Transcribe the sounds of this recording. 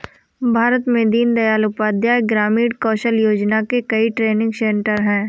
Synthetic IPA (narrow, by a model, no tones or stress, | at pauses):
bʱaːɾət̪mẽd̪iːnd̪ɐjaːlʊpaːd̪jaeɡɾaːmiːɽkɔːʃəljoːd͡ʒnakekɐiʈɾeːnɪ̃ŋɡsẽːɳʈəɾɦɛ̃ː